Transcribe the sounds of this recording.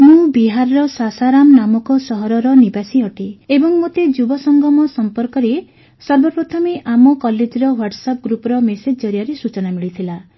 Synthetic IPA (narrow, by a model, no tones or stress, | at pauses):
mũbiɦaɾɔɾɔsasaɾamnamɔkɔsɔɦɔɾɔɾɔnibasiɔʈiebɔŋmot̪ed͡ʒubɔsɔŋɡʱɔmɔsɔmpɔɾkɔɾe | sɔɾbɔpɾɔt̪ʰameʔamɔkɔled͡ʒiɾɔwaɾʈsɔp̚ɡɾupɔɾɔmesed͡ʒɔɾijaɾesut͡ʃɔnamiɭit̪ʰila